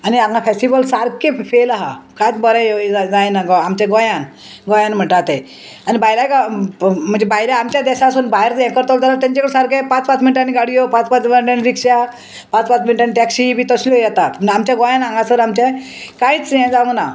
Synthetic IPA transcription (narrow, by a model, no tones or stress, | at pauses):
aniãŋɡafesʈibəlsaɾkefelaɦa̰kãjt͡sbəɾɛjoad͡zajenaɡɔamt͡ɕaɡõjan | ɡõjãnm̤əɳʈat̪e | anibajɾakam̤əɳd͡zebajiɾaamt͡ɕjad̪ɛɕaːsuːnbaeɾt͡sjɛ̃kəɾt̪ɔld͡zalat̪aɲt͡ɕakəɽsaɾkepãt͡spat͡sminʈaniɡaɽijopãt͡spãt͡smiʈaniɾikʂa | pãt͡spat͡sminiʈaniʈɛksibʱiːt̪əsljɔjɛt̪at̪m̤əamt͡ɕjaɡɔ̃janãŋɡasəɾamt͡ɕã | kãĩt͡sjɛ̃d͡zaə̃ŋna